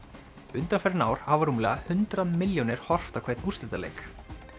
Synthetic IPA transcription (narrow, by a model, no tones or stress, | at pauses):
ʏnt̪anfɛɾɪnaːwɾ̥havaɾuːmlɛ̰ɣahʏnt̪ɾaðmɪljɔnɪɾ̥hɔr̥ft̪akʰɛjt̪nust̪ɪt̪alḛːjk